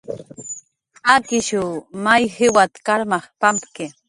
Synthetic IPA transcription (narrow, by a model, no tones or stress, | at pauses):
akɪʃumajhɪwat̪kaɾmɑχpampkɪ